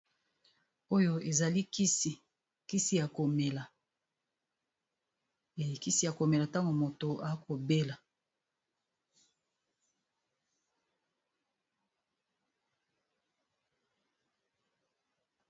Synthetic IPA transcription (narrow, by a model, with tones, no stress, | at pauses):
o˦jo˦e˨za˨li˦˨ | ki˦si˦ja˨ko˨me˨la˨ | e˨i˨ki˦si˦˨ja˨ko˨me˨la˨ta˦ŋɡo˨mo˨to˨a˨˦kʰo˨be˦la˨